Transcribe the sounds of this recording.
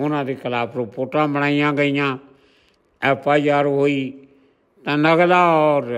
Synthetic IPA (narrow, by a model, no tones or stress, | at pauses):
ʊnãːd̪iːkʰəlaːpɾopoːʈãːbəɽ̃aːijãːɡəijãː | ɛːpʰaːd͡ʒaːɾɦoːiː | t̪ãːnəɡlaːɔːɾ